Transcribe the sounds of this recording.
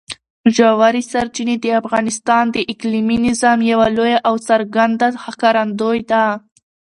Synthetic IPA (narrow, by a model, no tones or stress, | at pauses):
ʒawaɾisaɾt͡ʃined̪əafɣɑnɪst̪ɑnd̪əʔɪkliminɪzɑmjawalojaʔawsaɾɡand̪ahakaɾand̪ojd̪a